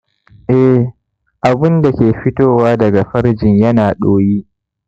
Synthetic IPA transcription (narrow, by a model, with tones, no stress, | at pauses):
ʔɛ˦ | ʔa˨bɪ˦nda˨kʲeː˨ɸɪ˦toː˦˨waː˦dɐ˨ɡa˨ɸɐ˦ɾd͡ʒɪ˨ɲjɐ˦naː˨ɗoː˦jiː˦ʔ